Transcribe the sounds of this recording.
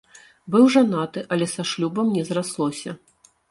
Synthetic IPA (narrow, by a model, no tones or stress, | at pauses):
bɨwʐanat̪ɨʔɐlʲɛsaʂlʲubɐmnʲɛzɾaslˠɔsʲɐ